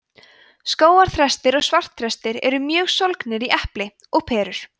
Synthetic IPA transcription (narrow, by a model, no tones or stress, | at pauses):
skoːwaɾ̥θɾɛst̪ɪɾɔɣsvar̥t̪θɾɛst̪ɪɾɛ̰ɾʏmjœːɣsolknɪɾiʔɛhplɪ | ɔɣpʰɛːɾʏɾ̥